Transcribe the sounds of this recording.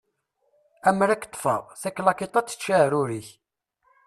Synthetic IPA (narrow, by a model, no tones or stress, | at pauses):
æmɾækːt̪ˤːfə̰ʁθækːlɑkit̪ˤɑt͡sːə̥t͡ʃːʃːæɾuɾiç